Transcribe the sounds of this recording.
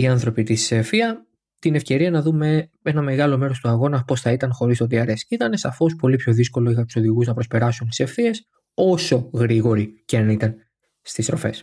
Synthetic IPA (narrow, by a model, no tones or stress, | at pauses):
iɐnθɾo̞pit̪isefiɐ | t̪ine̞fce̞ɾiɐnɐðume̞ | e̞nɐme̞ɣɐlo̞me̞ɾo̞st̪uɐɣo̞nɐpo̞sθɐit̪ɐnxo̞ɾist̪opiɐɾe̞scit̪ɐne̞sɐfo̞spo̞lipço̞ðisko̞lo̞iɣɐt̪uso̞ðiɣuznɐpɾo̞spe̞ɾɐsunt̪ise̞fθie̞s | o̞so̞ɣɾiɣo̞ɾiceɐnit̪ɐn | st̪ist̪ɾo̞fe̞̰s